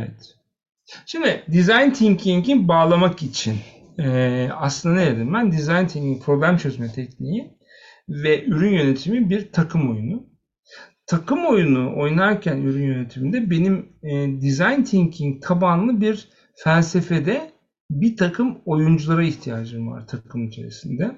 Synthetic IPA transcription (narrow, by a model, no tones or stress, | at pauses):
ɛvɛt̪ | ʃimd̪id̪izajnt̪ʰiŋcʰiŋɟinbaːlˠamakit͡ʃʰin | a̰slˠɯnd̪anejed̪imbænd̪izajnt̪ʰiɲɟiŋpʰɾo̞blʲæmt͡ʃʰø̞zmɛt̪ʰɛcniji | vɛʔyɾynjøne̞t̪ʰimibiɾt̪ʰakʰɯmo̞junu | t̪ʰakʰɯmo̞junuʔo̞jnaɾcʰænyɾynjøne̞t̪ʰimind̪ɛbe̞nimːd̪izajnt̪ʰiŋcʰiŋk̪ʰabanlˠɯbiɾ | fælʲse̞fed̪ɛ | bit̪ʰakʰɯmo̞jund͡ʒulˠaɾaiçt̪ʰijaːd͡ʒɯmva̰ɾt̪ʰakʰɯmyt͡ʃʰe̞̰ɾesind̪ɛ